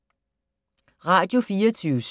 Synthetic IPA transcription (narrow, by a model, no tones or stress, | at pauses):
ʁɑ̈d̥jo̝fiːɐt͡sʰyːʊs